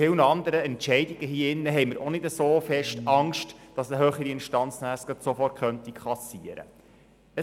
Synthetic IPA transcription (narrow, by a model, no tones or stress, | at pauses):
ɪwnəɑnd̪əɾəɛntt͡ʃɛɪdiɡəɦiːɪnːəɦɛɪməɾʔonɪdəsoːfɛʃtɑŋʃtd̥ɑsəɦøːχəɾiɪnʃtɑnt͡snæskəsofɔrtχœnt̪ikχɑsiəɾə̰ | ə